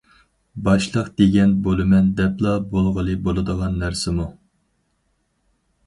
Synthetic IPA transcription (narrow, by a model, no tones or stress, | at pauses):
bɑʃlˠəqd̪̥eɡʲɛnbolˠɨmɛnd̪ɛplˠɑbolˠʁəlˠɨbolˠɨd̪əʁɑnːæɾsɪmu